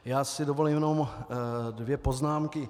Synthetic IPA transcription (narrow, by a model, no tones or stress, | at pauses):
jaːsɪdovolimjnom | dvjɛpoznaːmkɪ